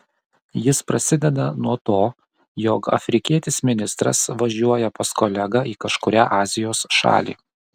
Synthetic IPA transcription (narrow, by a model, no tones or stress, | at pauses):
jɪspɾɐsʲɪd̪ʲɛd̪ɐnuɔt̪oː | joːkɐ̰fʲɾʲɪkʲiɛt̪ʲɪsmʲɪnʲɪst̪ɾɐ̰sʋɐʒʲuɔjɛpɐskɔlʲɛɡɐiːkɐʃkʊɾʲæːʔɑːzʲɪjoːsʃɑ̰ːlʲḭː